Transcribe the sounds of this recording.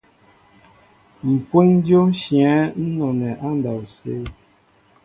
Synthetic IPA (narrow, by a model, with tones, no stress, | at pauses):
m̩˨pwe˦ŋ˦djo˦ʃjɛ˨˦n̩˦nɔ˨nɛ˨ʔa˦n˦da˨wsḛ˦